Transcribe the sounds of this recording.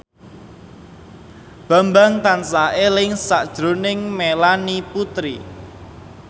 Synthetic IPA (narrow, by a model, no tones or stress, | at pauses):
b̥a̤mbaŋt̪ansaʔelɪŋsaʔd̥ʒ̥ɾonɪŋmelaniput̪ɾḭ